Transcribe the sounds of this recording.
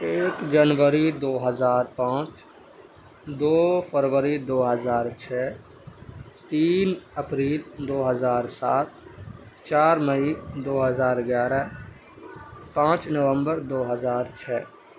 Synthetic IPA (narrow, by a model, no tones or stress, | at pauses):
eːkd͡ʒənʋəɾid̪oːɦəzaːɾpãːt͡ʃ | d̪oːpʰəɾʋəɾid̪oːɦəzaːɾt͡ʃʰɛː | t̪iːnəpɾiːld̪oːɦəzaːɾsaːt̪̚t͡ʃaːɾməid̪oːɦəzaːɾɡjaːɾɛ | pãːt͡ʃnəʋə̃mbəɾd̪oːɦəzaːɾt͡ʃʰɛː